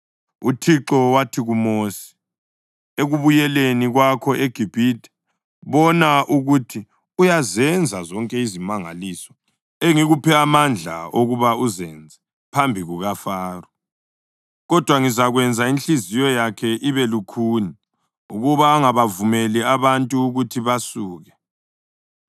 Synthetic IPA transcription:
utʰiǁɔwatʰiɣumosi̥ | eɣuβujɛleniɣwakʰɔʔeɡ̥ʱib̥ʱitɛ̥ | βɔnaʔuɣutʰi | ujazɛnd͡zʱazɔŋkʼɛizimaŋa̰liːsɔ̥ | eŋiɣupʰɛamand͡ɮʱa̰oɣuβauzɛnd͡zʱɛ | pʰambʱiɣuɣafaːru | ɣɔd̥ʱwaŋizaɣwɛnd͡zʱainɬizijɔjakʰɛʔiβɛlukʰuːni | uɣuβaːŋaβavumɛlɛaβantʼuːɣutʰiβasuːɣɛ

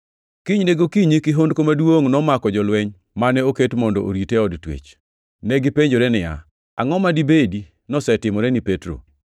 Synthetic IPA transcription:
kiɲneɡokiɲikɪɦondkomadwoŋnɔmakɔd͡ʒɔlwɛɲ | manɛoketmɔndɔ̰ʔo̰ɾitɛɔdtwḛt͡ʃ | nɛɡɪpeɲd͡ʒoɾɛnɪja̰ | a̰ŋɔmadibedi | nɔsɛtɪmɔɾɛnɪpetɾo̰

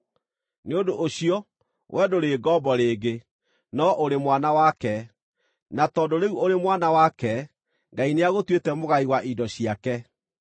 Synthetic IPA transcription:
neodoʔoɕiɔ | wʔɛdoɾeːɡɔbɔɾeːɡe | nɔʔoɾemwanawakɛ | natɔːdoɾeuoɾemwanawakɛ | ŋɡaineaɣotwetɛmoɣaiwaʔidɔɕiakɛ

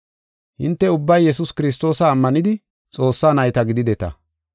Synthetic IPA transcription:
hɪnt̪ːɛʊbːɐjːɛs̬ʊskɪɾɪs̬t̪o̞ːsɐːmːɐnɪd̪ɪ | t͡sʼo̞ːsːaːnɐjt̪ɐɡɪd̪ɪd̪ɛt̪ɐ̰

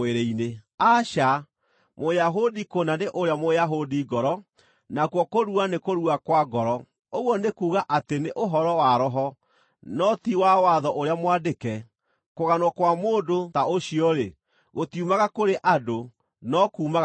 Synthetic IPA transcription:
eɾɛineaʃa | mojaɦodikonaneʔoɾeamojaɦodiɡɔɾɔ | nakwɔkoɾuanekoɾuakwaɡɔɾɔ | oɣwɔnekuːɣaʔateneʔoɦɔɾɔwaɾɔɦɔ | nɔtiwawaðɔʔoɾeamwadekɛ | koɣanwɔkwamoːdotaoɕiɔɾe | ɣotiumaɣakoɾeʔado | nɔkuːmaɣ

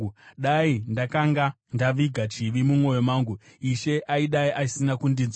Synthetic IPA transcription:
uɗaindakaŋɡa | ndaʋiɡʱat͡ʃiʋimumwo̞jo̞maːŋɡuiʃe̞ʔaiɗaiʔasinakundinz

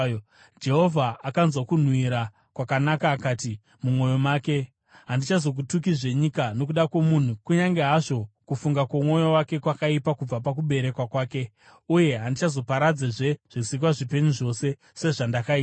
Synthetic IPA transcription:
d͡ʒe̞ɦo̞vʱaːkanzwakun̤wiɾa | kwakanakaːkaːti | mumo̞jo̞maːke̞ | ɦandit͡ʃazo̞k̬utuk̬iʐe̞ɲikano̞k̬uɗakwomun̤ukuɲaŋɡeɦaʐo̞kufuŋɡakamo̞jowake̞kwakaipakub͡vapak̬uɓe̞ɾe̞kwakwaːke̞ | uje̞ɦandit͡ʃazo̞paɾad͡zeʐe̞ʐ̥isik̬waʐipe̞ɲuʐo̞se̞ | se̞ʐandakaiː

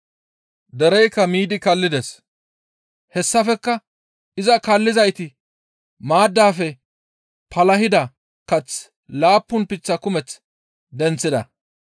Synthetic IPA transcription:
d̪ɛɾɛjkːɐmiːd̪ɪkɐlːɪd̪ɛs | hɛsːɐfɛkːɐ | ɪzɐkɐlːɪzɐjt̪ɪ | maːd̪ːaːfɛ | pɐlɐhɪd̪ɐ | kɐt͡s | laːpːʊnpɪt͡sːɐkʊmɛt͡s | d̪ɛnt͡sːɪd̪ɐ̰

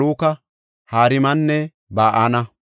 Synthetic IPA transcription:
oːkɐ | haːɾɪmɐnːɛ | baːʔanɐ

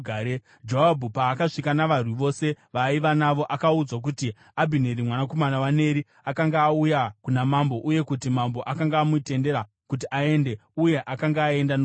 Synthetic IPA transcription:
aɾe | d͡ʒoabʱupaːkaʂikanaʋarwiʋo̞se̞ʋaiʋanaʋo̞ʔakaud͡zwak̬uti | abʱineɾimwanako̞manawane̞ɾi | akaŋɡaːujakunamambo̞ʔuje̞kutimambo̞ʔakaŋɡaːmuite̞nde̞ɾa | kut̬iʔae̞nde̞uje̞ʔakaŋɡaːe̞ndan

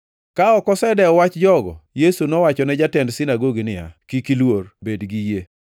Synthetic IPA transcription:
kaɔkɔsɛdɛɔwat͡ʃd͡ʒɔɡɔ̰jesunɔwat͡ʃɔnɛd͡ʒatɛndsɪnaɡoɡinɪa̰kikilworbedɡije

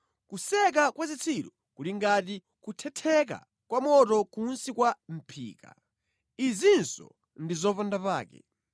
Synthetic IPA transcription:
kusɛk̬akwazit͡sʰiɾɔ | kuliŋɡati | kutʰɛtʰɛk̬a̰ | kwamɔtɔkunsikwam̩pʰḭːka̰ | izinsɔ̰ | ndizɔpandapaːkɛ̰

